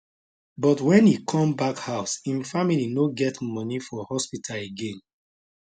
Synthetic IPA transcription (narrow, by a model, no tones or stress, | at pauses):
bɔtwɛ̃nikʰɔ̃mbakhaʊsĩnfamilinoɡɛtmɔnifɔhɔspitʰaleɡẽn